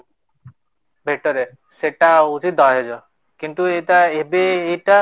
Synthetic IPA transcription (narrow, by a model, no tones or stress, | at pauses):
bʱek̚ʈɔɾe | seʈaut͡ʃit̪̚d̪ʱɔɦed͡ʒɔ | kint̪ueʈaebeːjʈa